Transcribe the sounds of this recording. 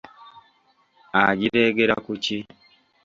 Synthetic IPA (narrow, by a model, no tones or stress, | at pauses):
aɟiɾeːɡeɾa̰kuci